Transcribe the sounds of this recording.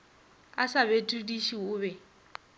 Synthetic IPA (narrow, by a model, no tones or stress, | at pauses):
asaβetʰʼudiʃiʊːβɛ